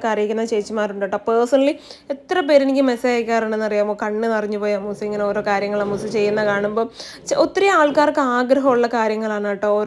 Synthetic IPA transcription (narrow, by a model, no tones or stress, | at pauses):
kaːrijikʲːunːɐt͡ɕeːt͡ɕːimaːɾuɳɖoʈːɐpəːsɐnɐɭiet̪ːrɐpe̞ːɾinikʲːɨmesejaːjkʲːaːraːɳe̞nːɐrijaːmoːkɐɳːɨnɐriɲːupoːjaːmːuːsueŋːɐne̞o̞ːɾo̞ːkaːɾjɐŋːɐɭamːusɨt͡ɕe̞jːunːɐkaːɳumbo̞ːʔot̪ːiɾiaːɭkaːrkːɨaːɡɾɐɦɐmuɭːɐkaːɾjɐŋːɐɭaːɳaʈːɨoː